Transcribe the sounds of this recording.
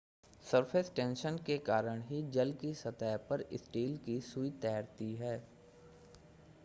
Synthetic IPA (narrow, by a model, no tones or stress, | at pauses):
səɾpʰeːsʈẽːnʃənkekaːɾəɽ̃ɦid͡ʒɐlkisɐt̪aːpəɾɪsʈiːlkisuit̪ɛːɾt̪iɦɛː